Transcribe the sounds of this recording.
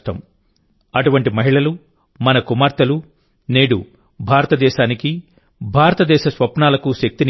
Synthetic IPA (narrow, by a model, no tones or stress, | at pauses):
ʈɐ̰m | ɐʈuʋɐɳʈimɐɦiɭɐlu | mɐnɐkumaːɾt̪ɐlu | neːɽṵ | bʱaːɾɐt̪ɐd̪ɛːʃaːniki | bʱaːɾɐt̪ɐd̪ɛːʃɐsʋɐpɳaːlɐkuʃɐk̚t̪in